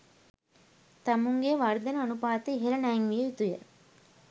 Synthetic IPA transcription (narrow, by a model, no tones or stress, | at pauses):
t̪amuŋɡeʋaɾd̪enəɐnupaːt̪əiɦelɐnæːŋʋijeit̪ujə̰